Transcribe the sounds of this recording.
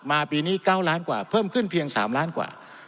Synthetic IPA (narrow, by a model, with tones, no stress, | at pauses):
maː˧piː˧niː˥˩kaː˥˩wlaː˦˥nkwa̰ː˨˩pʰɤː˥˩mkʰɯ˥˩npʰi˧əŋsa̰ː˩˦mlaː˦˥nkwa̰ː˨˩